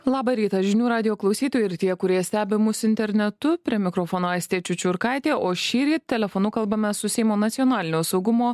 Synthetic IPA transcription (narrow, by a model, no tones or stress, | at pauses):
lˠɑːbɐɾʲiːt̪ɐʒʲɪnʲuːɾɑːd̪ʲɪjoːklˠɐʊsʲiːt̪oːjɛɪɾt̪ʲiɛɛkʊɾʲiɛɛsʲt̪ʲæːbʲɪmʊsɪnʲt̪ʲɛɾʲnʲɛt̪ʊpʲɾʲiɛmʲɪkɾofoːnoːɑɪst̪ʲeːt͡ʃʲʊt͡ʃʲʊɪɾkɑˑɪt̪ʲeːʔoːʃʲiːɾʲiːtt̪ʲːɛlʲɛfonʊkɐlˠbɐmʲɛssʊsʲɛɪmoːnɐt̪sʲɪjoːnɑːlʲɪnʲoːsɒʊɡʊmoː